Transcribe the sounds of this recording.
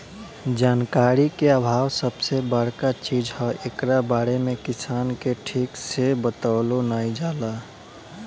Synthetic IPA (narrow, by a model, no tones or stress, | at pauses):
d͡ʒaːnkaɾikeabʱaːwsəbsebəɽ̤kat͡ʃid͡ʒhɔekɾabaɾemẽkɪsaːnkeʈʰiːksebət̪alonaid͡ʒaːla